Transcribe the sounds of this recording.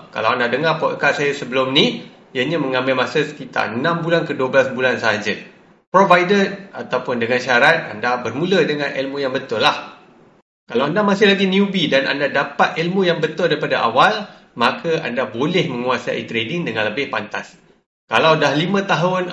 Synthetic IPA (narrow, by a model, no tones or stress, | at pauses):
ka̰lawandadəŋarpɔʔəkaʔsajasəbəlʊmni | jaɲãmə̃ŋãmbɪlmasəsə̥kit̪a̰rənãmbulankəduwəbəlasbulansəɦad͡ʒə | pɾovajdəat̪awpʊndəŋanʃaɾat̪̚a̰ndabərmũlədəŋãnilmujaŋbət̪ʊlah | kalawandamasɪhlaɡiniubidana̰ndadapat̪̚ʔilmujaŋbət̪ʊldaɾipadaʔa̰wal | makʰəʔa̰ndabolɛhmə̃ŋuasa̰ḭt̪ɾedɪŋdəŋãnləbɪhpant̪as | kalawdahlimãt̪aɦʊn